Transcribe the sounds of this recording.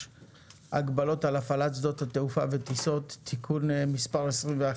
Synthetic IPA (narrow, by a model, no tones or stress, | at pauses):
aɡbalo̞talafalatt͡sd̪o̞t̪hat̪eufavet̪iso̞t̪ːikʰunmispaʁesʁimvea